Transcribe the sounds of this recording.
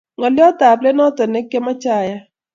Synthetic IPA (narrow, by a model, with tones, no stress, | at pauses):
ŋɔ˨lɪ˦ɔ˦ta˨blɛ˦nɔ˦tɔ˨ne˦kːe˦mɔ˦t͡ʃa˦˨ja˦